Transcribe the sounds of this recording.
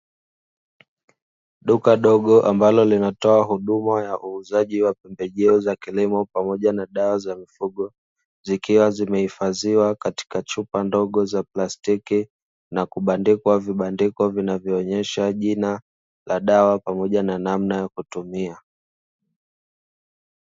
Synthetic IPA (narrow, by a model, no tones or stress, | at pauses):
ɗukaɗɔɠɔʔambalɔlinatɔaɦuɗumajaʔuːzaʄiwapɛmbɛʄɛɔzakilimɔpamɔʄanaɗawazamifuɠɔ | zikiwazimɛhifaziwakati̥kat͡ʃupandɔɠɔzaplastiki | nakuɓandikwaviɓandikɔvinavjɔːɲɛʃaʄina | laɗawapamɔʄananamnajakutumia